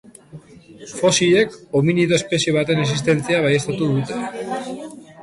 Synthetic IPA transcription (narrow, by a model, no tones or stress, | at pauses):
fo̞sie̞kominiðo̞espe̞sjeβ̞at̪e̞nes̬ist̪e̞nt͡siaβ̞ajest̪at̪uðut̪e̞